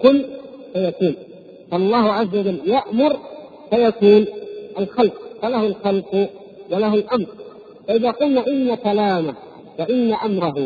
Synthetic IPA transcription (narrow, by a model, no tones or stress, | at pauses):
kʊlːsajakiːn | faʔɑlˤːɑːhʊʕazːawad͡ʒalːjaʔmʊɾ | sajakuːnʔalxalq̚falahʊlxalfʊ | walahʊlʔamɾˤ | faʔɪðaːqʊlnaːʔɪnːakalaːmah | waʔɪnːaʔamɾˤɑɦʊ